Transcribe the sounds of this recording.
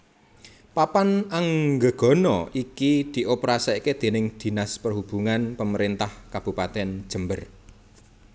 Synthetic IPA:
papanaŋɡə̤ɡ̥ɔ̤nɔʔikid̪̥i̤ʔopɾasaiked̪̥e̤nɪŋd̪̥i̤naspərɦub̥ṳŋanpəməɾint̪ahkab̥ṳpat̪ɛn̥ʒ̥ə̤mbər

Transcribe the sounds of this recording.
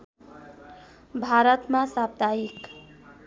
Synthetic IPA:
bʱaɾət̪mãsap̚d̪aik

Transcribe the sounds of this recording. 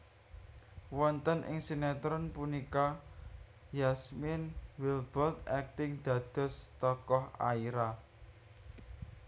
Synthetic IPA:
wɔnt̪ənʔɪ̰ŋsinɛt̪ɾɔnpunika | jasmɪnwɪlb̥ɔlt̪ɛk̚t̪ɪŋd̪̥ä̤d̪̥ɔ̤st̪ɔkɔha̰iɾa

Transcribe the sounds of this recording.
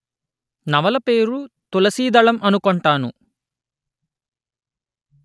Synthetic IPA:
nɐʋɐlɐpe̞ːɾut̪ulɐsiːd̪ɐɭɐmʔɐnukɔɳʈaːnṵ

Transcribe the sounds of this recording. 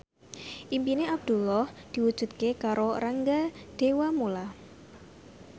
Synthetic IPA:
ʔimpineab̚d̪̥ṳlɔhd̪̥i̤wud̥ʒ̥ṳt̪̚kekaɾoraŋɡad̪̥e̤wamola

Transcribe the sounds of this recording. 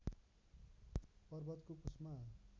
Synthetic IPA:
pʌrbʌt̪kopusma

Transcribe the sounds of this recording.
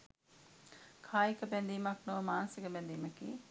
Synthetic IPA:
kʰaːjikəbɛnd̪iːmɐknoʋəmaːnɐsikəbɛnd̪iːməkḭː

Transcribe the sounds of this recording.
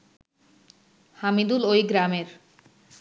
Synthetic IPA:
hamid̪ulojɡɾameɾ

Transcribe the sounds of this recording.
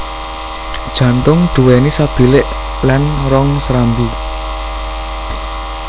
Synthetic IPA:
d̥ʒ̥ä̤nt̪ʊŋɖ̪̥ṳwɛnisab̥i̤lɪʔ | lanrɔŋsɾambi

